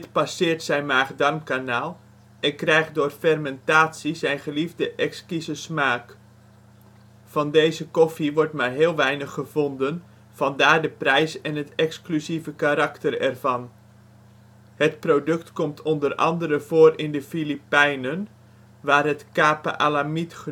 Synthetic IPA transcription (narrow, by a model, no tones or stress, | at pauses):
dɪtpasɪːrtsɛjnmaːχdɑrmkanaːlˠ | ʔɛnkrɛjχt̚dʊːrfɛrmɛntaːtsizɛjnχəlivdəʔɛkskizəsmaːk | fɑndejzəkɔfiʋɔɹtmaːɹɦɪːlˠʋɛjnəχːəvɔndən | v̥ɑndaːɹdəprɛjsɛnɦətɛksklyzivəkaɾɑktərɛ̰rv̥ɑn | hətprodɵktkɔmtʰɔndərʔɑ̰ndəɾəv̥oːrɪndəfilipɛjnən | ʋaːrɦətkaːpa̰ʔalamitχə